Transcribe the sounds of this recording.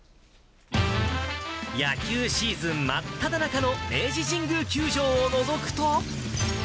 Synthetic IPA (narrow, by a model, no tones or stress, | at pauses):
jakʲɨːɕiːzɨ̃mːat̪ʰːad̪anakano̞e̞ːʑiʑĩŋɡɯ̟kʲɨːʑo̞ːno̞zo̞kɯ̟̥t̪o̞